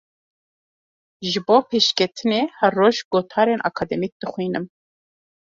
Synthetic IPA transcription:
ʒɨboːpʰeːʃkʲʰɛt̪ʰɨneːhɛrːoːʒɡoːt̪ʰɑːɾeːnʔɑ̰kʰɑd̪ɛmik̚d̪̥ɨxʷiːnɨm

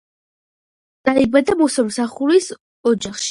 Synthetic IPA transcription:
d̪̥aibad̪amɔsamsaχuɾis | ɔd͡ʒaχʃi̥

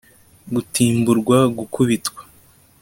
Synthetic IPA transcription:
ɡutiːmbuɾɡwaɡukuβitkwḁ

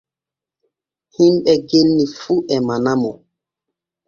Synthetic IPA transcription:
himɓɛɡelnifuːʔɛmanamɔ

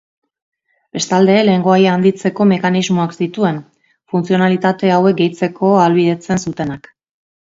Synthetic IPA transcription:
be̞st̪ald̪e̞le̞ːŋɡo̞ajaːnd̪it͡se̞ko̞me̞kanizmoaksit̪ue̞n | funt͡sio̞nalit̪at̪e̞awe̞k̚ɡejt͡se̞kʰo̞alβiðe̞t͡se̞nsut̪e̞nak

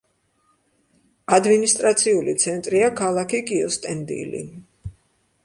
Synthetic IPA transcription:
ad̪minist̪ʼɾat̪sʰiulit̪sʰɛnt̪ʼɾiakʰalˠakʰikʼiɔst̪ʼɛnd̪ḭlḭ

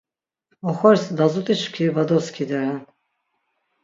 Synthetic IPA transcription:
ɔxɔɾsd̪azut̪ʼiʃkʰivad̪ɔskʰid̪ɛɾɛn

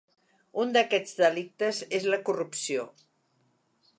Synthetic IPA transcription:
und̪əkɛd͡zðəlik̚t̪əzezləkurupsio

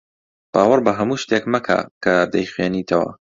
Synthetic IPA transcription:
b̥aːwɐɾbɐɦɐmuːʃt̪ekmɐkʰa̰ːkʰɐd̪ɐjχweːniːt̪ʰɐwɐ̰

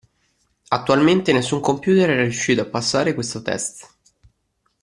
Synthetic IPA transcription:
at̪ːualment̪enesːuŋkompjuːt̪eɾɛɾarjuʃːiːt̪oapːasːaːɾekwest̪ot̪ɛ̰st̪

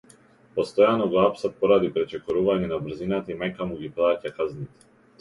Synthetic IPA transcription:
pɔst̪ɔjanɔɡɔapsat̪̚pɔɾad̪ipɾɛt͡ʃɛkɔɾuvaɲɛnabɾ̩zinat̪aimajkamuɡiplˠacakaznit̪ɛ̥

